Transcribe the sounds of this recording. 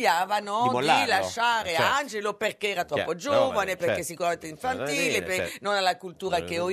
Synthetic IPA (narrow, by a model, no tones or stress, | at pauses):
jaːvanɔd̪laʃːaːɾeand͡ʒeloperkeɛːɾat̪ɾɔpːod͡ʒovaneperkːesːikuɾament̪eiɱfant̪iːlepenonalːakult̪uːɾakeo